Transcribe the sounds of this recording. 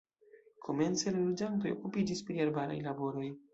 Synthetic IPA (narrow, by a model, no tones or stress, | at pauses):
kʰo̞me̞nt͡se̞lalod͡ʒant̬o̞jo̰kupid͡ʒispɾialbaɾa̰jlabo̞ɾo̞j